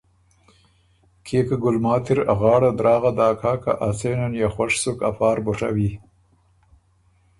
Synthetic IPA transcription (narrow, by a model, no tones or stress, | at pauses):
kʰekaɡʊlmɑːt̪ʰɪɾa̰ɣɑːɽad̪ɾɑːɣad̪ɑːkʰɑːka̰ʔasenanjaxwaʂsuka̰fɑːɾbʊʈa̰wi